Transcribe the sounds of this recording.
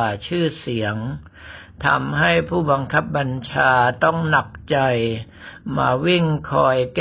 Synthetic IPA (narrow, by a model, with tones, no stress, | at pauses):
t͡ɕʰɯː˥˩si˩˦əŋ | t̪ʰa̰˧mɦa˥˩jpʰuː˥˩ba˧ŋkʰa˦˥p̚ba˧nt͡ɕʰaː˧t̪ɔ˥˩ŋna˨˩k̚t͡ɕa˧j | maː˧wi˥˩ŋkʰɔː˧jk